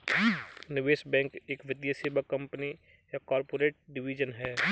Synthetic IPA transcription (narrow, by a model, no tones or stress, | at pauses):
nɪʋeːʃbɛ̃ːŋkeːkʋɪd̪jaseːbəkːɐ̃mpni | jakaːɾpoːɾeːʈ̚ɖɪʋiːd͡ʒənɦɛː